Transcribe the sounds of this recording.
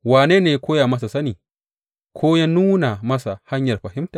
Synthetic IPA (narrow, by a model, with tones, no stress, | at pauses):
waː˨neː˦neː˨ja˦kʷoː˦jaː˨mɐ˦s̬a˨sɐ˦niː˨ | kʰʷoː˦ja˦nuː˦na˨mɐ˦sa˨ha˦ɲjɐ˨rɸɐ˨hɪ˦mtaː˨